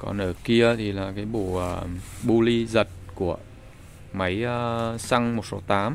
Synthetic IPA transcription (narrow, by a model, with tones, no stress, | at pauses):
kɔ̰˨˦nəː˧˩ki˧ət̪ʰi˨˩laː˨˩kaː˨˦jɓṵ˧˩ʔəː˨˩ɓu˧li˧zə˨˩t̚ku˧˩ə | ma˨˦jəː˨˧sa˧ŋmo˨˩t̚so˨˦t̪aː˨˦m